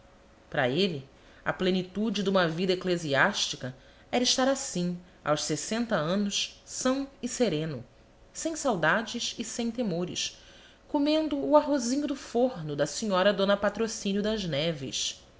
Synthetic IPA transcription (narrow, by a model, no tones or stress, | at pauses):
pɾɐ̰eli | ɐ̰plenit̪ud͡ʒɪd̪ũmɐvid̪ɐekleziaʃt͡ʃikɐ | ɛɾiʃt̪aɾasĩ | a̰wʃsesẽnt̪ɐɐ̃nʊʃsɐ̃w̃ɪseɾẽnʊ | sẽj̃sawd̪ad͡ʒɪʃɪsẽj̃t̪emoɾɪ̰ʃ | komẽnd̪ʊːaɦozĩɲʊd̪ʊfoɦnʊd̪ɐsiɲɔɾɐd̪õnɐpat̪ɾosĩnjʊd̪ɐʒnɛvɪ̰ʃ